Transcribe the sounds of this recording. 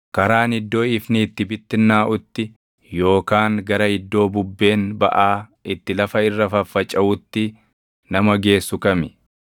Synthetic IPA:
kɐɾaːnɪd̪ːo̞ːɪfniːt̪ːɪbɪt̪ːɪnːaːʔʊt̪ːɪ | jo̞ːkaːŋɡɐɾɐhɪd̪ːo̞ːbʊbːe̞ːnbɐ̰ʔaːʔɪt̪ːɪlɐfɐɪrːɐfɐfːɐt͡ʃʼɐʔʊt̪ːɪ | nɐmɐɡe̞ːsːʊkɐmɪ

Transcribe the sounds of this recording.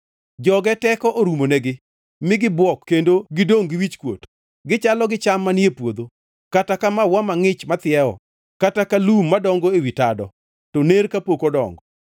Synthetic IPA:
d͡ʒɔɡɛtɛkɔʔoɾumonɛɡɪ | mɪɡɪbwɔkːendoɡɪdoŋɡɪwit͡ʃkwo̰t | ɡɪt͡ʃalɔɡɪt͡ʃamːaniepwod̪o | katakamawamaŋɪt͡ʃmat̪ɪjɛɔ̰ | katakalumːadɔŋɡoewitadɔ | toneɾkapokodɔ̰ŋɡɔ

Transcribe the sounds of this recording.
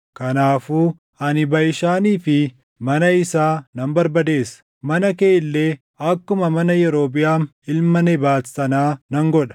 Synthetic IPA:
kɐnaːfuː | ɐnɪbɐʔɪʃaːniːfɪ | mɐnɐɪsaːnɐmbɐɾbɐd̪e̞ːsːɐ̥ | mɐnɐkeːɪlːeː | ɐkːʊmɐmɐnɐjɛɾo̞ːbɪjaːn | ɪlmɐnɛbaːtsɐnaːnɐŋɡɔᶑɐ̥

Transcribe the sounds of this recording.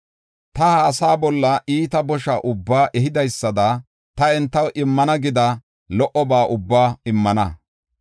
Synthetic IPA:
t̪ɐhaːsaːbɔlːɐʔiːt̪ɐbɔʃaʔʊbːaːʔɛɦɪd̪ɐjsːɐd̪ɐ | t̪ɐɛnt̪ːɐwʔɪmːɐnɐɡɪd̪ɐ | lɔʔɔbaːʔʊbːaːɪmːɐnɐ

